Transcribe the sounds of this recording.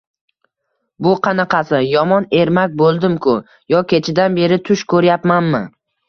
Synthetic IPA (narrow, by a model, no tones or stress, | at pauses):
bʊqʰɑnɑqʰɑsɪjɒmɒne̞ɾmakʲbolˠd̪ɪmkʰʊ | jɒkʲʰe̞t͡ʃʰɪd̪anbe̞ɾɪt̪ʰʊʃkʰɵɾjapmanmɪ